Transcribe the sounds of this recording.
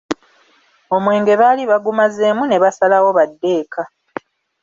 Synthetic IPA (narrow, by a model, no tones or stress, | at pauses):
o̞mwe̞ːŋɡe̞βaliβaɡumazeːmune̞βasalawo̞βadːe̞ːkʰa